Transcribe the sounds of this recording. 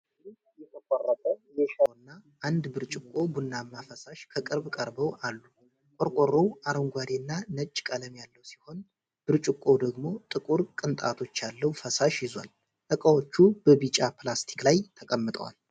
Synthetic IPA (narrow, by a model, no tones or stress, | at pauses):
d̪i | jɛt̪ʰəkʷʼarːət̪ʰʼəjɛʃəwnːaʔand̪bɨɾt͡ʃʼɪkʼːo̞bunːamːafəsaʃkʰəkʼɨɾbkʼəɾbəwʔalːu | kʼoɾkʼorːowaɾəŋɡʷad̪enːanət͡ʃʼːkʼələmjalːəwsi̥ho̞n | b̥ɨɾt͡ʃʼɪkʼːo̞d̪əɡmo̞t̪ʼɨkʼuɾkʼɨnt̪ʼa̰t̪ʰo̞t͡ʃːjalːəwfəsaʃjɪzwa̰l | t̪ʼəkʼəwo̞t͡ʃːubəβit͡ʃʼapʰlast̪ʰi̥klajt̪ʰəkʼəmːɨt̪ʼə̰wa̰l